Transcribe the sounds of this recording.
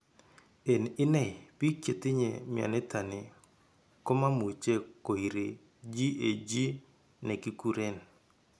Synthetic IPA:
e˨nɪ˦nɛ˦˨pi˦kje˨tɪ˦ɲḛ˨mɪ˨a̰˨nɛ˦ta˨ne˨ | ko˦ma˦mu˨t͡ʃe˦ko˨i˨ɾe˨ | d͡ʒi˦e˨d͡ʒi˦ | nɛ˨ki˦ku˦ɾe˦n

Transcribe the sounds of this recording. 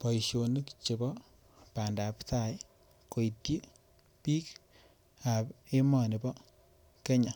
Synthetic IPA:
pɔ˨iʃo˨ni˦kt͡ʃe˨bɔ˦ | pa˨nda˨pta˦j | ko˨i˨tji˦ | piː˦k | a˨be˦mɔ˦˨ni˨bɔ˦ | ke˦ɲa˨

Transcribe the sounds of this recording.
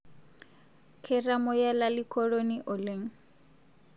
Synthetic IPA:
kʰɛramʊ˦ja˦lali˦kʰɔ˦ɺo˦niʔɔ˨le˨ŋ̩˦

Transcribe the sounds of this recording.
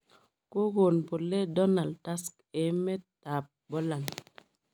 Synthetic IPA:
ko˦ɡo˨npo˨lːe˦do˦na˨lta˦sk | e˨˦me˦ttːa˨p̚bo˦la˨n

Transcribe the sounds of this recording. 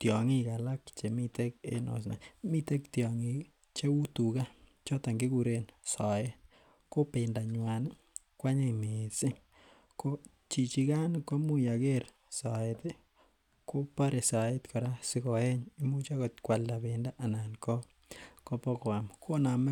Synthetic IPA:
tjɔ˨ŋi˦ka˨la˦kt͡ʃe˨mite˦kḛ˦nɔ̰˨s̬na̰˨mi˦te˦ktjɔŋi˨ | t͡ʃe˦u˦tu˨ka˦ | t͡ʃɔ˦ta˨ŋɡe˦kuɾensa˨e˦ | ko˦penda˨ɲwa˨n | kwa˦ɲe˦me˨sɪ˦ | ko˦ | t͡ʃi˨t͡ʃi˧ka˦nko˦mu˦ja˨ke˦ɾ | sa˨e˨te˦ | ko˦pa˦ɾe˨sa˨e˦t̪kɔ˨ɾa˦sɪ˦kɔ˨ɛ˦ɲi˦mu˦t͡ʃa˦kɔt̪kwa˨lda˨benda˦ʔa˨nankɔ˦ | ko˦pɔ˦kwa˨mkʰo˦na˨m˦

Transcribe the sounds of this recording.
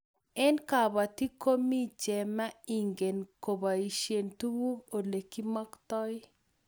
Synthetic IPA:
ɛ˦nka˨ba˨t̪i˦ko˦mi˦t͡ʃɛ˨ma˦i˨ŋɡe˨nko˨ba˨i˨ʃe˨ntu˦wu˦o˨le˨ki˦mɔ˦ktɔ˦j

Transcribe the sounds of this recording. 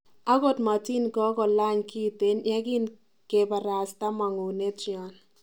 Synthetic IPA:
a˦ɡo˦˨tma˨ti˦nkɔ˦kɔ˨la˦ɲki˦te˦nja˦ɡi˦n | ke˨ba˨ɾa˨sta˦ma˨ŋo˨ne˦tjɔ˨n

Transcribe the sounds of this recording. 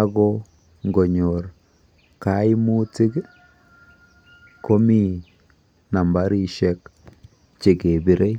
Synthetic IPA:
a˦ɡɔ˦ | ŋɡo˨ɲo˨ɾ | ka˨˦ɪ˦mu˦ti˦k | ko˦mi˦˨ | na˨mba˦ɾi˦ʃɛ˦k | t͡ʃe˨ɡe˨bi˨ɾʔe˦

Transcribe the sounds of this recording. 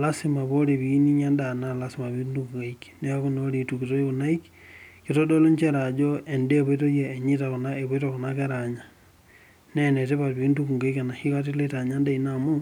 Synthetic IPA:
la˦si˨ma˨βo˦ɾe˨βini˦ɲa˦nda˨na˦lasi˨ma˨βi˦ndu˦ku˨ŋɡa˨ikne˦a˦ku˦noɾi˨tu˨kito˦e˦ko˨na˦i˦k | ke˨to˦do˦lo˦ɲt͡ʃe˦ɾa˨d͡ʒo˦e˨nde˦βe˦t̬o˦ja˨e˨ɲi˦tako˨na˦e˨βe˦tako˨na˦ke˦ɾa˨ɲa˨ | ne˦ne˨t̬e˦βatβi˦ndu˦ku˨ŋɡa˦ika˨na˨ʃi˦ka˦ti˦le˦ta˨ɲa˦nda˦i˨namu˦

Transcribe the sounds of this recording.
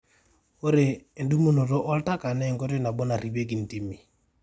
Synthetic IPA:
o˦ɾeː˨ndu˦mo˦no˨ɾɔ˦ʔɔ˦lta˦ka˨nɛ˦˨ŋɡo˦ɾe˦na˨bɔ˦na˨ɾi˨be˦ɡ̬i˨n˨ti˨mi˨

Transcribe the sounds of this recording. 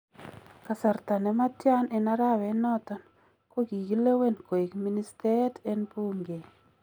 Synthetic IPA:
ka˨sa˨rt̪a˨nɛ˨ma˦tja˦ne˨na˦ɾa˦wɛ˨nɔ˦t̪ɔ˨n | ko˦ɡi˨ɡi˦le˦we˦˨nko˨e˨kmi˦ni˦ste˦te˦npu˦mɡe˨

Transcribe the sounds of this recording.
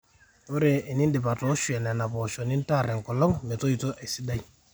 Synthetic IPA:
o˦ɾe˨ɪ˨nɪ˦ndɪ˨pa˨tɔ˨˦ʃu˨ɛ˨nɛ˨na˨pɔ˨ʃɔ˨nɪ˦n˦ta˦˨ɾɛ˨ŋ˨kɔ˨lɔ˦ŋme˨to˦i˨to˦ʔe˨sɪ˦da˦j

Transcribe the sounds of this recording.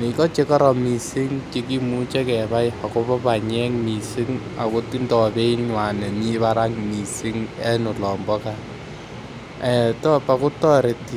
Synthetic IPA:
ni˨kɔ˦t͡ʃe˦kɔ˦ɾɔ˨mi˨sɪ˦ŋt͡ʃe˦k̬i˦mu˦t͡ʃɛ˦kɛ˨βa˦jha˨kʊ˦pɔ˦pa˨ɲɛ˦ŋmi˨si˦ŋ | a̰˨kʊ˦ti˦ndɔ˨be˦iɲwa˨nɛ˨ni˦βaɾa˦ŋmi˨sɪ˦ŋɛ˦nʊ˨lɔ˨mbɔ˦ka | ɛ˨tɔ˦pa˨kʊ˦tɔ˦ɾe˨ti˦

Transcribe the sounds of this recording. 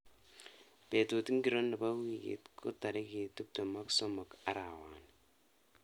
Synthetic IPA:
pe˨tu˨tŋ˦ɡi˨ɾo˦nːi˨ba˦wi˨kḛ˨tkʰu˦ta˨ɾi˦ki˨tu˦p̚to˨ma˦ksɔ˦mɔ˨ka˦ɾa˨waː˨n

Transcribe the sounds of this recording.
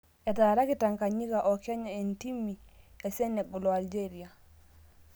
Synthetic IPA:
ɛ˨ta˨ɾa˦ki˨ta˨ŋka˨ɲi˦ɡa˨ʔɔ˨kja˦ɲa˨e˨nti˦mːi˨ɛ˨sɛ˦nɛ˨ɡɔ˨lɔ˨a˨ld͡ʒe˦ɾi˨a˨

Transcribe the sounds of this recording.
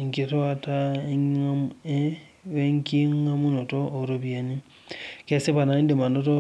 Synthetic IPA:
ŋki˦twa˦ta | e˦ŋki˦ŋa˦mu˦no˨toː˦˨ɾuβje˨ni˦ | ke˦si˦βa˨na˨˦ndi˨ma˨no˦to

